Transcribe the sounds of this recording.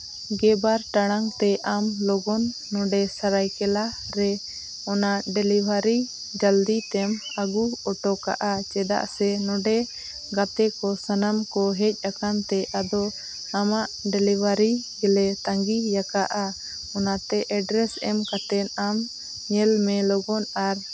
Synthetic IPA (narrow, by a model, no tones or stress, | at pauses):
ɡɛbaɾʈaɽ̃aŋt̪ɛʔamlɔɡɔnː | ɔɖɛsaɾajkɛla | ɾɛ | ɔnaʔɖɛlibʱaɾi | d͡ʒəld̪it̪ɛm | aɡuɔʈɔka̰ʔat͡ʃɛd̪a̰ʔsɛnɔɖɛ | ɡat̪ɛkɔsanamkɔɦɛc̚ˀakant̪ɛʔad̪ɔ | amaʔɖɛlibʱaɾiɡɛlɛt̪ãŋɡijakaʔa | ɔnat̪ɛʔɛɖɾɛsɛmkat̪ɛnam | ɲɛlmɛlɔɡɔnaɾ